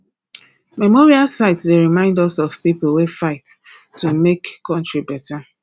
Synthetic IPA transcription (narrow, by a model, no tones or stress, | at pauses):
mɛmoɹialsaɪtsdeɹimãɪ̃ndɔsɔvpipolwefaɪtː | umekkːɔ̃ntɹibɛta